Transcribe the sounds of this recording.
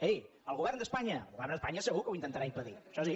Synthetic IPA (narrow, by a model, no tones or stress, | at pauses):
ej | əlˠɣuβɛrnd̪əspaɲə̰lˠɣuβɛrnd̪əspaɲəsəɣukəwint̪ənt̪əɾaimpəðiʃɔsi